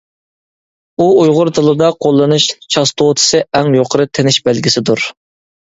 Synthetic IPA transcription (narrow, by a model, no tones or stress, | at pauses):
uujʁʊɾt̪ʰɨlˠɨd̪ɑqʰolˠːɨnɨʃt͡ʃʰɑst̪ʰot̪ʰɨ̥sɨɛŋjoqʰəɾɨt̪ʰenɪʃbælɡʲisɪd̪uɾ